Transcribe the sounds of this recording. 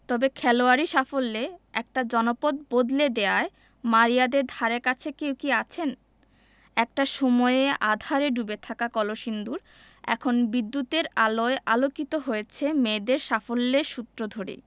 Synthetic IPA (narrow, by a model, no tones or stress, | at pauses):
t̪ɔbekʰɛloaɾiʃafolːeɛk̚ʈad͡ʑɔnopod̪̚bod̪led̪eae | maɾijad̪eɾd̪ʱaɾeɾkat͡ɕʰekewkiat͡ɕʰen | ɛk̚ʈaʃɔmɔeeʔad̪ʱaɾeɖubet̪ʰakakɔloʃind̪uɾ | ɛ̰kʰonbid̪ːut̪eɾaloeʔalokit̪oɦojet͡ɕʰemed̪eɾʃafolːeɾʃut̪ːɾod̪ʱoɽḭ